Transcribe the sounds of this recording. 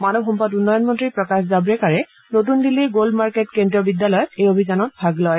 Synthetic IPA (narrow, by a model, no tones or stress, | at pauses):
manɔbʱɔmpatunːɔjɔnmɔntɹipɹɔkaszabɹɛkaɹɛ | not̬undiliɡoldmaɹketkendɹiɔbidjalɔjɔtejobʱizanɔt̚bʱaɡlɔj